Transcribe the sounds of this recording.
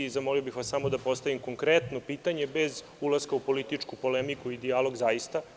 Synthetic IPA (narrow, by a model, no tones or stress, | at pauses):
izamoliobixʋasamo̞d̪apo̞st̪aʋimko̞ŋkɾet̪no̞piːt̪aɲebe̞z | ulˠaskaupo̞lit̪it͡ʂkupo̞lemikuid̪ialo̞ɡzajist̪a